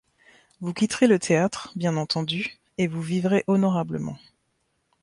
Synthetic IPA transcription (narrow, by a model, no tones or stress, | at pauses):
vukʲit̪ʁelət̪ʰeat̪χbjɛ̃nɑ̃t̪ɑ̃d̪y | evuvivʁeʔɔnɔʁabləmɑ̰̃